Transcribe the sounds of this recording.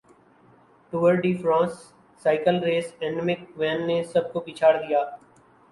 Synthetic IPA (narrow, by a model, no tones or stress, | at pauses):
ʈuːəɾɖiːfʰɾãːsː | aːɪkəlɾeːsɛ̃ːnmɪkʋɛːnːesəb̚kopiːt͡ʃʰaːɾd̪ijaː